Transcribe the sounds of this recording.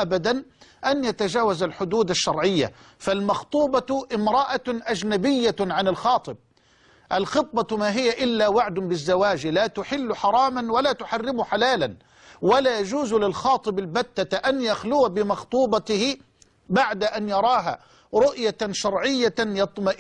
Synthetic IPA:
ʔabad̪anʔanjat̪ad͡ʒaːwazalħʊd̪uːd̪aʃːɑɾˤʕɪjːa̰ | falmɑxt̪ˤuːbɑʔɪmɾˤɑʔaʔad͡ʒnabɪjːaʕanɪlxɑːt̪ˤɨb̚ | ʔalxɨt̪̚ˤbɑmaːɦɪjːaʔɪlːawaʕd̪ʊbɪzːawaːd͡ʒlaːt̪ʊħɪlːʊħɑɾˤɑːmanwalaːt̪ʊħarːɪmʊħalaːlan | walaːjad͡ʒuːzlɪlxɑːt̪ˤɨbalbat̪ːaʔanjaxlʊwabɪmɑxt̪ˤuːbɑt̪ɪhɪ | baʕd̪aʔanjɑɾˤɑːɦa̰ | ɾʊʔjaʃɑɾˤʕɪjːajɑt̪ˤmɑʔ

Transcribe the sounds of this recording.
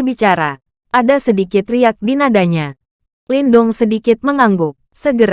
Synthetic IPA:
bit͡ʃaɾa | ʔadasədikɪt̪riak̚dinadaɲa | lindʊŋsədikɪt̪̚məŋaŋɡʊk̚səɡəɾ

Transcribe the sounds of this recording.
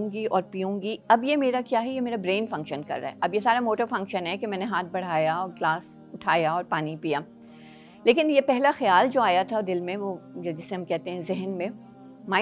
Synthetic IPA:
ɡiʔɔːɾpiːõːŋɡiɐbjemeːɾakjaːɦɛjemeːɾabɾeːnfɐ̃ŋkʃənkɐ̰ɾːa̰ɦɛʔɐbjesaːɾamoːʈəɾfɐ̃ŋkʃənɦɛkemɛ̃ːneɦaːt̪̚ʰbɐɽ̤aːjaɔːɾɡlaːs | ʊʈʰaːjaɔːɾpaːnipijaː | leːkɪnjepɛɦlaxɐjaːld͡ʒoːaːjat̪ʰad̪ɪlmẽʋoːd͡ʒoːd͡ʒɪseɦɐmkɛɦt̪ẽɦɛ̃zɪɦənmẽ | maː

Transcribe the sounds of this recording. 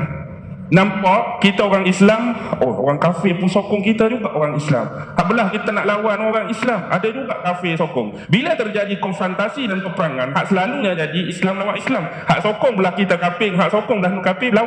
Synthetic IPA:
nampaʔkit̪aoɾaŋislamʔoo̰ɾaŋkafɪpʊnsokɔŋkit̪ad͡ʒuɡaʔoɾaŋisla̰mhaʔbəlahkit̪anaʔlawanoɾaŋislama̰dad͡ʒuɡaʔkafɪsokʊŋ | bilat̪ərd͡ʒadikɔnfɾɔnt̪asidanpəpəɾaŋanhaʔsəlaluɲad͡ʒadiʔislamlawaʔislam | haʔsokɔŋbəlahkit̪akapɪŋɦaʔsokɔŋbəlahlukapɪla

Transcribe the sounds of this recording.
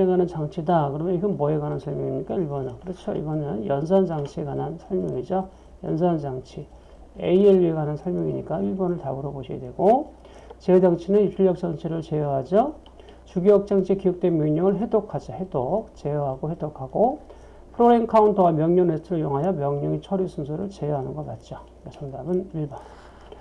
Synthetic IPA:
eɡanɯnt͡ɕaŋt͡ɕʰidakɯɾʌmjʌiɡɯnmʌeɡanɯnsʰʌɭmjʌŋiɲik͈aiɭbʌnɯnkɯɾʌt͡ɕʰoḭɡʌnɯnjʌns̬ʰʌnd͡ʑaŋt͡ɕʰiekanansʰʌɭmjʌŋid͡ʑo | jʌ̰nsʰʌnd͡ʑaŋt͡ɕʰi | eieɭɥieɡanansʰʌɭmjʌŋiɲik͈aiɭbʌnɯɭtabɯɾʌboɕʰia̰dwe̞ɡo | t͡ɕedaŋt͡ɕʰinɯnit͡ɕʰuʎjʌk̚t͡ɕ͈ʌŋt͡ɕʰiɾɯɭt͡ɕejʌɦad͡ʑʌ | t͡ɕuɡiʌk̚t͡ɕ͈aŋt͡ɕʰikiʌk̚t͈wenmjoŋɲʌŋɯɭɦe̞dokʰad͡ʑahedok̚t͡ɕe̞jʌɦaɡohe̞dokʰaɡo | pʰɯɾoɾenkʰauntʰowamjʌŋɲʌnetʰɯɾɯɭjoŋɦajʌmjʌŋɲʌŋit͡ɕʰʌɾusʰunsʰoɾɯɭt͡ɕeʌɦanɯnɡʌkat̚t͡ɕ͈o | asʰʌŋdabɯniɭbʌn

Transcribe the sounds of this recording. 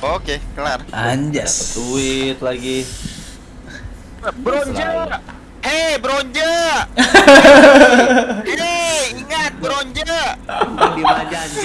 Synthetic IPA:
okekaaɲd͡ʒasət̪uɪt̪laɡi | bɾoɲd͡ʒə | ebəɾoɲd͡ʒə | eiŋat̪̚bɾoɲd͡ʒə | diad͡ʒa

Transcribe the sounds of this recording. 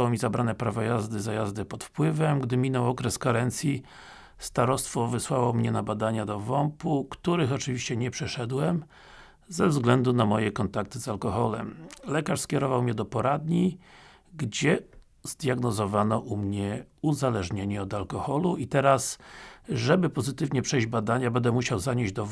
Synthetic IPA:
awɔmʲizabɾanɛpɾavɔjazd̪ɘzajazd̪ɘpɔt̪fpwɘvɛmɡd̪ɘmʲinɔwɔkɾɛskaɾɛnt̪sʲji | st̪aɾɔst̪fɔvɘswawɔmɲɛnabad̪aɲad̪ɔvɔmpukt̪uɾɘxɔt͡ʂɘvʲiɕt͡ɕɛɲɛpʂɛʂɛd̪wɛm | zɛvzɡlɛnd̪unamɔjɛkɔnt̪ak̚t̪ɘzalkɔxɔlɛmlɛkaʂskʲɛɾɔvawmɲɛd̪ɔpɔɾad̪ɲi | ɡd͡ʑɛ | zd̪jaɡnɔzɔvanɔʔumɲɛuzalɛʐɲeɲiɔd̪alkɔxɔluit̪ɛɾas | ʐɛbɘpɔzɘt̪ɘvɲɛpʂɛjʑd͡ʑbad̪aɲabɛnd̪ɛmuɕawzaɲeʑd͡ʑd̪ɔ

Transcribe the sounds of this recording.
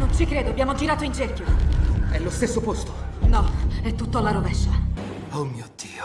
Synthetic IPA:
nont͡ʃikɾeːd̪oabːjaːmod͡ʒiɾaːt̪oind͡ʒɛrkoɛlːost̪esːopost̪o̥nɔɛt̪ːut̪ːalaɾovɛʃːa | omiod̪̥iːo

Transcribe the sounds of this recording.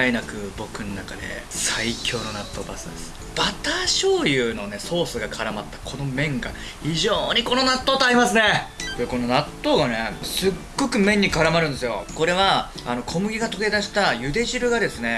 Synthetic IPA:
aenakɯ̟bo̞kɯ̟nonakad̪e̞̰saikʲo̞ːno̞nat̪ːo̞ːba̰sɨd̪sɨ̥ | b̥at̪aːɕo̞ːjɯ̟ːno̞ne̞so̞ːsɨɡakʰaɾamat̪ːḁkʰo̞no̞mẽ̞ŋɡa̰ | çiʑoːɲ̟iko̞no̞nat̪ːoːt̪oaɾʲimasɨne̞koeko̞no̞nat̪ːo̞ːɡane̞sɨɡːo̞kɯ̟mẽ̞ɲ̟ːikaɾamaɾɯ̃nd̪e̞sɨjo̞̰ko̞ɾe̞βa | ano̞kʰo̞mɯ̟ɡʲiɡat̪o̞ɡe̞d̪aɕi̥t̪ajɯ̟d̪e̞ʑiɾɯ̟ɡad̪e̞sɨne̞

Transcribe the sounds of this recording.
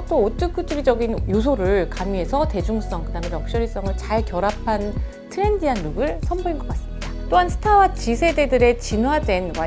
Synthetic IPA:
t͈oːt͈ʰɯkʰɯtʰuɾid͡ʑʌɡinjos̬ʰoɾɯɭkamie̞sʰʌte̞d͡ʑuŋs͈ʌŋkɯdame̞njʌk̚ɕ͈ʌɾis͈ʌŋɯɭt͡ɕaɭkjʌɾapʰan | tʰɯɾe̞ndiɦanːuɡɯɭsʰʌmboinɡʌk͈as͈ɯmɲid̥at͈oɦansʰɯ̥tʰawat͡ɕisʰe̞de̞dɯɾe̞t͡ɕinwadwe̞nwa

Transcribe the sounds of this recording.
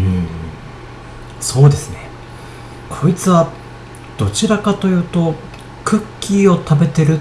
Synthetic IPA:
ɯ̟̃ | so̞ːd̪e̞sɨne̞ | kʰo̞it͡sɨβa | d̪̥o̞t͡ɕiɾakat̪o̞jɯ̟ːt̪o̞ | kɯ̟kʲːiːo̞t̪abe̞t̪e̞ɾɯ̟

